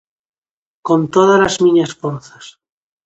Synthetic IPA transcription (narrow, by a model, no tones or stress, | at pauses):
kont̪oðalazmĩɲasfoɾθas